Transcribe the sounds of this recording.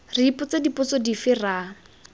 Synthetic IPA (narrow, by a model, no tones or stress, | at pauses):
ripʊt͡sedipʼʊt͡sɔdifɪra